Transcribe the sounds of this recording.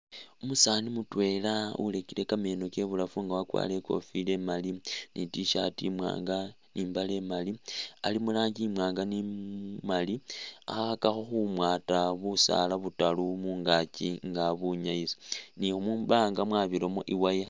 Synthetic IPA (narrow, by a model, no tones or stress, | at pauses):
umusaːnimutwe̞laṵle̞kile̞kame̞ːno̞ke̞βulafuŋɡawakwa̰ːle̞ko̞̰file̞malinʔitiʃatimwa̰ːŋɡa | niːmbale̞malialimulaːɲɟimwaːŋɡanimalia̰xaxakaxo̞xumwaːtaβusa̰laβutalumuːŋɡaciŋɡaβuɲaisi̥niomuːmbaːŋɡamwaːβilo̞mo̞̰ʔiwaja